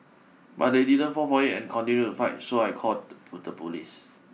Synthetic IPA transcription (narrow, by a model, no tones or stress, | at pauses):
ba̰t̚dedidə̃nfɔfɔitɛ̰̃nkʰɔ̃ntĩnjutufaɪt̚soajkʰɔt̚dəpʰutəpulḭs